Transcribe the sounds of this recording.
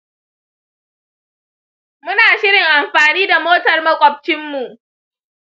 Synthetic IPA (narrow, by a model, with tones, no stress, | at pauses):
mʊ˦naː˨ʃɪ˦ɾɪ˨ŋʔa˨mɸaː˨niː˦da˨moː˦tɐ˨rmɐ˦kʷʼɐ˨p̚t͡ʃɪ˦mːu˨ʔ